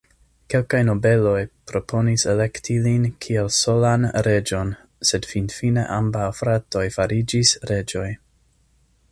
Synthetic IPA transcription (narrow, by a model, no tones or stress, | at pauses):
ke̞lkajno̞be̞lo̞jpɾo̞pʰo̞nisele̞ktʰilinkʰielso̞lanɾe̞d͡ʒo̞n | se̞dfinfine̞̰ʔambawfɾato̞jfaɾid͡ʒisɾe̞d͡ʒo̞j